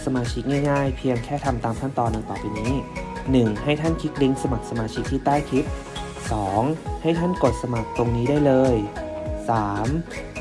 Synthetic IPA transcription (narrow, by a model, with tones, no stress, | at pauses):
sa˧maː˧t͡ɕʰi˦˥k̚ŋaː˥˩jŋaː˥˩jpʰi˧əŋkʰɛː˥˩t̪ʰa˧mt̪aː˧mk̪ʰa˥˩nt̪ɔː˧nːɯ˧paː˨˩piː˧niː˦˥nɯ˨˩ŋha˥˩jt̪ʰa˥˩nkʰi˦˥k̚li˦˥ŋsa˧ma˨˩k̚sa˧maː˧t͡ɕʰi˦˥k̚t̪ʰiː˥˩t̪aː˥˩jk̪ʰi˦˥t̪̚ | sɔː˩˦ŋha˥˩jt̪ʰa˥˩nko˨˩t̪̚sa˧ma˨˩k̚t̪o˧ŋniː˦˥daː˥˩jlɤː˧jsaː˩˦m